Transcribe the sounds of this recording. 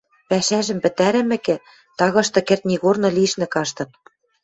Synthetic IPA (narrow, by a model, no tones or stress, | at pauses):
pæʃæʒɘ̆mpɘ̆t̪æɾɘ̆mɘ̆kɘ̆ | t̪ɑɣɤ̆ʃt̪ɤ̆kĕrt̪̚nʲiɣornɤ̆lʲĭʃnɘ̆kɑʃt̪ɤ̆t̪̚